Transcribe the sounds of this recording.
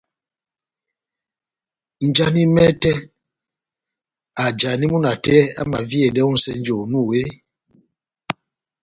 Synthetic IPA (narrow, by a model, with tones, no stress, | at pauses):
n̩˨d͡ʒa˦ni˦mɛ˦tɛ˦ | a˨d͡ʒa˨ni˦mu˦na˨tɛ˦a̰˦ma˨vi˦ɛ˨dɛ˦u˦n̩˦sɛ˦n˦d͡ʒo˨nũ˦˨we˦